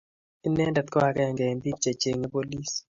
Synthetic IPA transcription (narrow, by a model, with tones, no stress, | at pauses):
i˦nɛ˦ndɛ˨t̪kɔ˦a˨kɛ˦ɛ˨ŋɡɛ˨mbi˦kt͡ʃa˨t͡ʃe˨ŋɛ˦po˦li˦s